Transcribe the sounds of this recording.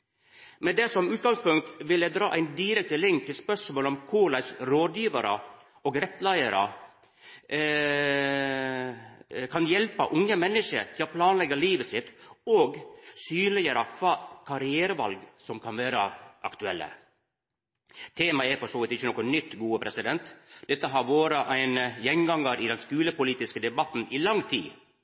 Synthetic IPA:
mɛd̪ɛsɔmʉːt̪ɡɑŋspʊŋk̚t̪ʋɪlːəd̪ɾɑ̰ːʔæɪnd̪iɾɛk̚t̪əlɪŋk̚t̪ʰːɪlspœʂmoːlɔmkʰʊlæɪsɾoːd̪jiːʋɑɾə | ɔɡɾɛt̪ːlæɪəɾə̰ | kʰɑnjɛlpə̰ʔʊŋːəmɛnːəʂə̰ɾt̪ʰɪlɔpʰlɑːnlɛɡɑliːʋəsɪt̪oːɡsyːnlɪjəɾəkʰʋɑːkʰɑɾɪæːɾəʋɑ̰lɡsɔmkʰɑnʋeːɾəʔɑkt̪ʉɛlːə̰ | t̪ʰeːmɑɛɾfɔʂoːʋɪt̪ɪçːənɔkʊnʏt̪ːɡuːəpʰɾɛsɪd̪ɛnt̪d̪ɛt̪ːəɦɑɾʋoːɾəʔæɪnəjɛŋɡɑŋːəɾɪd̪ɛnskʉːləpʊliːt̪ɪskəd̪ɛbɑt̪n̩ɪlɑŋːt̪ʰḭː

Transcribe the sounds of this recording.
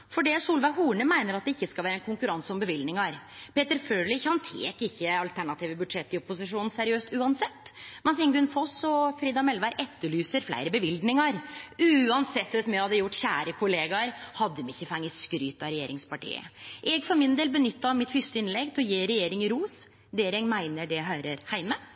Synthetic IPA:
fɔɖɛsuːlʋæɪɦuːɳəmæɪnəɾɑt̪̚d̪ɛɪçːəskɑlʋæːɾəɛnkʰʊŋkʉɾɑnsəɔmbəʋɪld̪nɪŋɑɾpeːt̪əɾføːɭɪçhɑnt̪ʰḛːkɪçːəɑlt̪ʰæɳɑt̪iːʋəbʉd̪ʂɛt̪ːɪɔpʊsɪʂuːnn̩sæɾɪøːst̪ʉːɑnsɛt̪ːmɛnsɪŋɡʉnfɔsɔfɾiːd̪ɑmɛlʋæɪɾʔɛt̪ːəɭyːsəɾflæ̰ɪɾəbəʋɪld̪nɪŋɑɾʉːɑnsɛt̪ːʋɛt̪mɛhɑd̪əjʊʈːçæːɾəkʰʊleːɡɑɾhɑd̪ːəmɪçːəfɑŋːəskɾyːt̪ːɑɾɛjeːɾɪŋspɑʈḭːə̰ʔɛɡfɔɾmɪnd̪eːlbənʏt̪ːɑmɪt̪fʏst̪əɪnlɛɡt̪ʰɪɔjeːɾɛjeːɾɪŋɪɾuːs | d̪eːɾɛŋmæɪnəɖɛɦæɾəɾhæɪmə

